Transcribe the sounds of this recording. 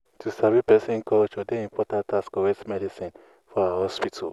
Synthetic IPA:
tʰusavipɛsĩnkʰɔlʃodẽĩmpʰɔtãntʰaskɔwɛtmɛdisĩn | fɔaaɦɔspitʰa̰l

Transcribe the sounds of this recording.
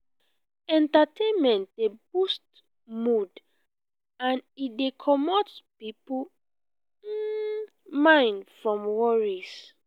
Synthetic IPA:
ɛ̃ntatʰẽnmɛ̃nt̚debust | mud | ãnidekʰɔmɔtpipu | mãɪ̃nfɹɔ̃mwɔɹis

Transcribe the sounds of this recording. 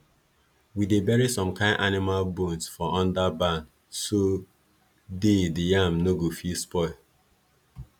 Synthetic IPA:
widebɛɹisɔ̃mkãɪ̃nʔanɪmalbõnsfɔʔɔ̃ndabãn | so | dedijamnoɡofispɔɪl

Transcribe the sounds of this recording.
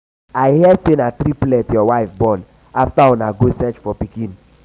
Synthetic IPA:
aɪhiɛsenatɾiplɛtjɔwaɪfbɔn | aftaɔ̃naɡosɛt͡ʃfɔpikĩn

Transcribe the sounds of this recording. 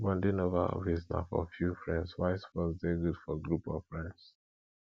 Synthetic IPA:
wɔ̃ndenova̰visna̰fɔ̰fjufɹɛ̃ndswaɪsfɔsdeɡudfɔɡɹupɔfɹɛ̃nds

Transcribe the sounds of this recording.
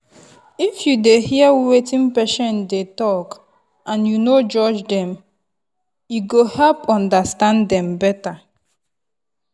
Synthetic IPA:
ifjudehiawetĩmpɛʃɛ̃ndetɔk | ʔãnjunod͡ʒɔd͡ʒdɛ̃m | juɡohɛlpɔ̃ndastãndɛ̃mbɛta

